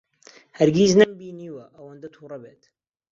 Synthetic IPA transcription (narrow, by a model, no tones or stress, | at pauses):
hɐɾɡiːznɐmbiːniːwɐʔɐwɐnd̪ɐt̪ʰuːrˤɐbeːt̪